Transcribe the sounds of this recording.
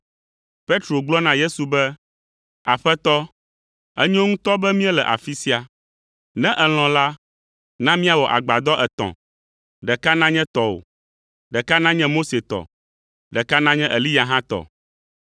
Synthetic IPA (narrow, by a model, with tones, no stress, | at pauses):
pe˦t̪ɾo˨ɡ͡blɔ˦nã˨je˦su˨bɛ˦ | a˨ɸɛ˦t̪ɔ˦ | ɛ˦ɲɔ̃˦ŋũ˦t̪ɔ˦bɛ˦mĩ˦ɛ˦lɛ˨ʔa̰˨fi˦si˦a˨ | nɛ̃˦ʔɛ˨l̃ɔ̃˨la˦ | nã˦mĩ˦a˨wɔ˨ʔa̰˨ɡ͡ba˨d̪ɔ˦ʔɛ˨t̪ɔ̰̃˨ | ɖɛ˨ka˦nã˦ɲɛ̃˦t̪ɔ˨o̰˨ | ɖɛ˨ka˦nã˦ɲɛ̃˦mo˦se˨t̪ɔ̰˨ | ɖɛ˨ka˦nã˦ɲɛ̃˦ʔɛ˨li˦ja˨ɦã˦t̪ɔ̰˨